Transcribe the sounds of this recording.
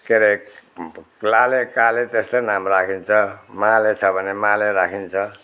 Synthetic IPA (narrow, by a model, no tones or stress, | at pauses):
keɾek | lalekalet̪eslenamrakʰint͡sʰʌmalet͡sʰʌbʱʌnemaleɾakʰint͡sʰʌ